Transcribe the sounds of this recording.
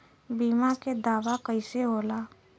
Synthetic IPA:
biːmaked̪aːʋakəiseɦoːlaː

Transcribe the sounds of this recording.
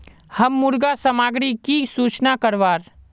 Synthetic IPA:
hɐmːʊɾɡasəmaːɡɽikisuːt͡ʃnakɐɾʋaːɾ

